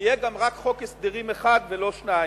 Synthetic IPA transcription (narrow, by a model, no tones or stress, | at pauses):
jeɡamʁakχo̞kesd̪iʁimeχad̪velo̞ʃna